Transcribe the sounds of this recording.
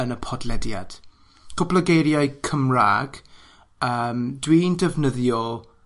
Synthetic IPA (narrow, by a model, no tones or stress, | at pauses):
ənəpʰɔdlɛdja̰d̥ | kʰʊbləɡejɾjaɨkʰəmra̰ːɡ | əːmdwindɛvnəðjɔ